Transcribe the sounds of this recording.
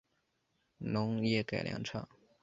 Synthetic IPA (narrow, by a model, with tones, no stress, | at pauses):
nʊ˧˥ŋjɛ˥˩ka˨˩ɪljɑ̰˧˥ŋʈ͡ʂʰɑ˥˩ŋ